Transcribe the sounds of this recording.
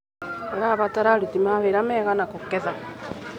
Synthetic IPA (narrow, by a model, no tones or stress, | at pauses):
ɛɾaβataɾaɾitimaβeɾamɛːɣanakokɛða